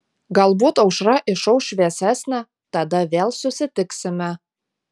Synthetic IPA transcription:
ɡɑlˠbot̪owʃrɑʔĕʃowʃβæsæsnæ | t̪ɑd̪ɑβælsøsɘ̆t̪ɘ̆ksɘ̆mæ

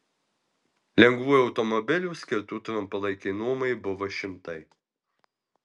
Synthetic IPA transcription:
lʲɛŋɡʋuːjʊɒʊt̪ɔmɔbʲɪlʲuːsʲkʲɪɾt̪uːt̪ɾɐmpɐlˠɐɪkʲɪnuːmɐɪbʊʋoʃʲɪmt̪ɐɪ

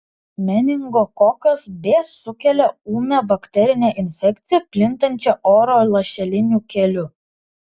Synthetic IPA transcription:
mʲɛnʲɪŋɡoːkɔkɐsbʲeːsʊkʲɛlʲɛuːmʲɛbɐkt̪ʲɛɾʲɪnʲɛʔɪnʲfʲɛkʲt̪sʲɪjɛpʲlʲɪnt̪ɐnʲt͡ʃʲɛʔoːɾoːlˠɐʃʲɛlʲɪnʲuːkʲɛlʲʊ

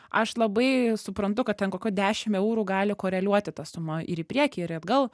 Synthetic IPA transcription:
ʔɐʃlˠɐbɐɪsʊpɾɐnt̪ʊkɐt̚t̪ʲɛnkoːkʲuːd̪ʲæːʃʲɪmɛʊɾuːɡɑːlʲɪkoːɾʲɛlʲuɔt̪ʲɪt̪ɑsʊmɐʔɪ̰ɾiːpʲɾʲiɛkʲiːɪɾɐd̪ɡɐlˠ

